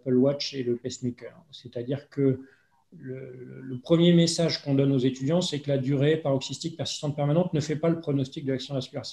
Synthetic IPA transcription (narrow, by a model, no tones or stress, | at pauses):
pəlwat͡ʃeləpɛsmikʲɛʁsɛt̪ad̪iʁkə | lələpχəmjemesaʒkɔ̃d̪ɔnozet̪yd̪jɑ̃sɛkəlad̪yʁepaʁɔksist̪ik̚pɛʁsi̥st̪ɑ̃t̪̚pɛʁmanɑ̃t̪nəfɛpaləpχɔnɔst̪ik̚d̪əlaksjɔ̃d̪vaskʲylaʁs